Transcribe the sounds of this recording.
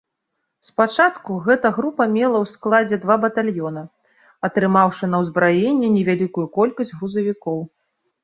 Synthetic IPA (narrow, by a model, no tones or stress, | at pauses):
spat͡ʂat̪kuɣɛt̪ɐɣɾupɐmʲɛlˠɐwsklˠad͡zʲɛd̪vabɐt̪alʲjɔnɐ | ɐt̪ɾɨmawʂɨnɐwzbɾajenʲːɛnʲɛvʲalʲikujukɔlʲkɐsʲdʲɣɾuzɐvʲikɔw